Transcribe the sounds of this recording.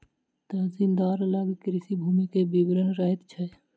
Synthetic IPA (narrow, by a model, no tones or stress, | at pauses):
t̪əzind̪aɾlaɡikɾisibʱumikebibɾənɾəɛt̪t͡ʃʰəj